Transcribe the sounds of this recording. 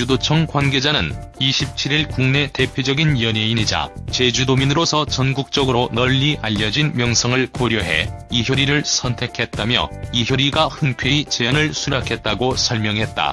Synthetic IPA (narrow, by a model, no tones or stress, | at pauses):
udot͡ɕʰʌŋkwanɡe̞d͡ʑanɯniɕʰip̚t͡ɕʰiɾiɭkuŋne̞te̞pʰjod͡ʑʌɡinjʌɲeiɲid͡ʑa̰t͡ɕe̞d͡ʑudominɯɾosʰʌt͡ɕʌnɡuk̚t͡ɕ͈ʌɡɯɾonʌʎːiaʎːʌd͡ʑinmjʌŋsʰʌŋɯɭkoɾjoɦe̞̰içjoɾiɾɯɭsʰʌntʰe̞kʰe̞t̚t͈amjʌ̰içjoɾiɡahɯnkʰɥeit͡ɕejanɯɭsʰuɾakʰe̞t̚t͈aɡosʰʌɭmjʌŋɦe̞t̚t͈a̰